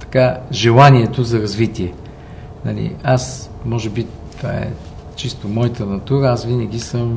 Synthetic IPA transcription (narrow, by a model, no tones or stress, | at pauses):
t̪ɐ̥kaʒɛlˠaniɛt̪ozɐɾɐzvit̪iɛ | nɐ̰lḭasmɔʒɛbit̪va̰ɛ̰ | t͡ʃist̪omɔjt̪ənɐt̪uɾəasvinɐɡ̟ʲisəm